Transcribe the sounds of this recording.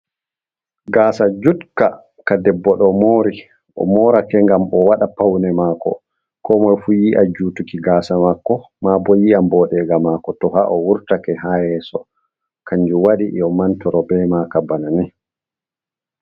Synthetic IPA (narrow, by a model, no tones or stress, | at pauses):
ɡaːsad͡ʒutka | kadɛbːɔɗɔmoːɾi | ʔɔ̰mɔːɾakɛŋɡamɔwaɗapawnɛmaːkɔ̰ | kɔmɔjfujiʔa̰d͡ʒuːtukiɡaːsamakːɔ | mabɔjiambɔɗɛɡamakɔtɔɦaʔɔwuɾtakɛɦahɛsɔ̰ | kaɲd͡ʒuwaɗiʔɔmantɔɾɔbɛmakabananɛ